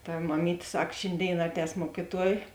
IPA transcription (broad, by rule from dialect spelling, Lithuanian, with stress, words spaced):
tɐ mɐˈmʲiːtʲeː ˈsɐk ˈʃʲeːnʲˌdʲeːɪn ˈɑːˌtʲɛːs ˈmuɔkʲɪˌtuɔj